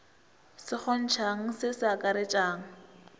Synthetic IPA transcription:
sɪk͡xɔn̩t͡ʃʰaŋ̩sɪsɪakʼaɾɪt͡ʃʼaːŋ̩

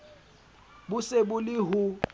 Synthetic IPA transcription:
bʊsebʊlɪɦu

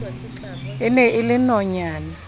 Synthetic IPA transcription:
ɪnɛʔɪlɪnɔɲaːna

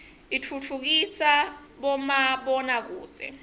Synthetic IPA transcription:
itʰut͡fʰuk̬isa | ɓɔmaɓɔnak̬ṵːt͡sʼɛ̰

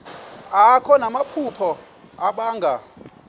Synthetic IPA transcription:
akʰɔnamapʰupʰɔ | aɓaːŋɡʱa

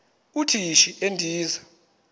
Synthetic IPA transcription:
utʰiʃiendʱiːza

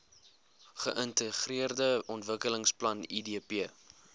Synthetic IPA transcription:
χəʔəntəχriərdəɔntvəkələŋsplɐnidiəpiə

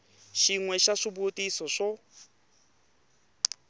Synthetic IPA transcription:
ʃiŋwɛʃaʂibotʼisɔʂɔ

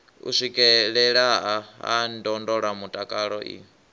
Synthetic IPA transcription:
ṵʂʷikʼɛɺɛɺaɦaa̰ndɔndɔɺamutʼakʼaɺɔʔḭ

